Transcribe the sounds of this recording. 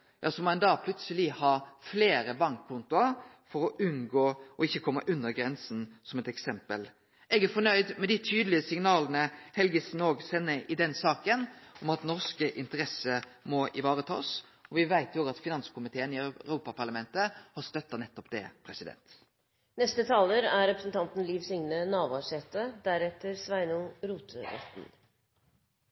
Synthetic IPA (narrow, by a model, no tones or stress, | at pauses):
jɑ̰ːsɔmɔɛnd̪ɑːpʰlʉt̪səlɪhɑːfleːɾəbɑŋkkʰːʊnt̪ʊɑ | fɔɾɔʔʉnɡoːʔɔɪçːəkʰɔmːəʔʉnːəɾɡɾɛnsn̩sɔmɛt̪ɛksɛmpəl | ʔɛɡæɾfɔɳœʏd̪mɛd̪ɪt̪ʰyːd̪əlɪəsɪŋnɑːlənəhɛlɡəsn̩oːɡsɛnːəʔɪd̪ɛnsɑːkənɔmɑt̪nɔɾskəʔɪnt̪əɾɛsəmɔʔɪʋɑːɾət̪ʰɑ̰ːsɔʋɪʋæɪt̪joːɡɑt̪fɪnɑnskʊmɪt̪ʰeːənɪœɾuːpɑpʰɑɾɭɑmɛnt̪əhɑst̪œt̪ːɑnɛt̪ːɔpd̪ɛ̰pʰɾɛsɪd̪ɛ̰nt̪ | nɛst̪ət̪ʰɑːləɾæɾɾɛpɾəsn̩t̪ʰɑnt̪n̩liːʋsʏŋnənɑːʋʊɑʂɛt̪əd̪æɾɛt̪əɾsʋæɪnʊnɾuːt̪ʰəɾɛ̰t̪n̩